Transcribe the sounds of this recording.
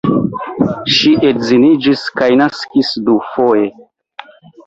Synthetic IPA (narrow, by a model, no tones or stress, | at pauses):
ʃiʔetzinid͡ʒiskajnaskisdufoje